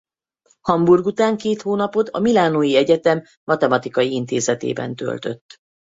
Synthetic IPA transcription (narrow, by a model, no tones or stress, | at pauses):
hɒmburɡut̪aːŋkeːt̪hoːnɒpo̞d̪ɒ̰milaːnoːjiɛɟɛt̪ɛmːɒt̪ɛmɒt̪ikɒjiint̪eːzɛt̪ḛːbɛ̰nt̪ø̰lt̪ø̞̰t̪ː